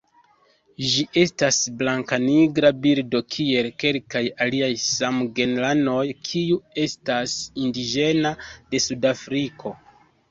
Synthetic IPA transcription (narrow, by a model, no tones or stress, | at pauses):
ʒiʔe̞stasblaŋkaniɡɾabiɾdo̞kʰie̞lke̞lkajaliajsamɡe̞nlano̞jkʰiue̞stasindid͡ʒe̞nade̞sudafɾikʰo̞